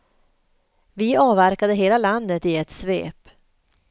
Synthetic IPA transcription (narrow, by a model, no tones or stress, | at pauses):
vɪɑːvæɾkad̪əɦeːlaland̪ət̪ɪɛt̪svḛːp